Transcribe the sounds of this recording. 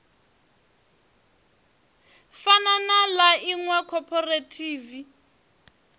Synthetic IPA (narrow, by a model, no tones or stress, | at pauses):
fananalaiŋwakʰɔpʰɔretʰiːvi